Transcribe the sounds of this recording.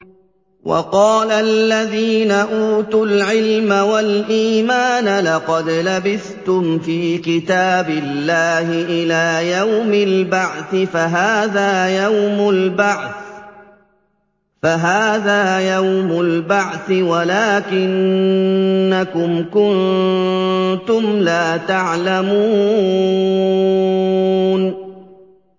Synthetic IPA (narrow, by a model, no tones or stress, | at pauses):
wʔɑ̰qɑːlalːaðiːnaʔuːt̪ʊlʕɪlmawalʔiːmaːnalɑqɑd̪labɪθt̪ʊmfiːkɪt̪aːbɪlːaːhɪʔɪlaːjawmɪlbaʕθɪfaɦaːðaːjawmʊlbaʕθ | faɦaːðaːjawmʊlbaʕθɪwalaːkɪnː | akʊmkʊn | t̪ʊmlaːt̪aʕlamuː | n